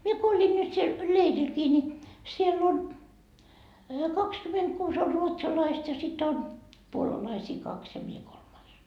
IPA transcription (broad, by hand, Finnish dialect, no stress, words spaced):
mie ko olʲin nyt siel leirilkiː ni sielː on kɑkskymentkuːs or ruotsɑlɑist jɑ sit on puolɑlɑisiː kɑks jɑ mie kolmɑis